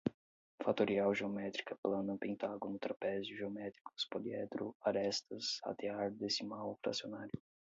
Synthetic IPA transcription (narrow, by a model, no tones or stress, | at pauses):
fat̪oɾiawʒeomɛt̪ɾikɐplɐ̃nɐpẽnt̪aɡonʊt̪ɾapɛzʊʒeomɛt̪ɾikʊ̥spoliɛd̪ɾʊaɾɛst̪ɐsa̰t̪eaɾd̪esɪmawfɾa̰sionaɾjʊ